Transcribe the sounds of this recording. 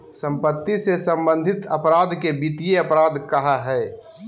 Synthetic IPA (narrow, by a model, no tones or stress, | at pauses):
sə̃mpət̪ːisesə̃mbə̃nd̪ʱɪt̪əpɾaːd̪ʱkebit̪ijeɐpɾaːd̪ʱkɐɦaɦɛː